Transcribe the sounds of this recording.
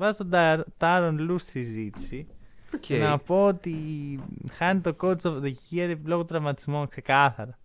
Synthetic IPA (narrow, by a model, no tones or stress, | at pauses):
vɐzt̪od̪t̪ɐɾonlussizit̪i̥siokenɐpoot̪i | xɐnit̪okot͡soðecicieɾeploɣot̪ɾɐvmɐt̪izmonkse̞kɐθɐɾɐ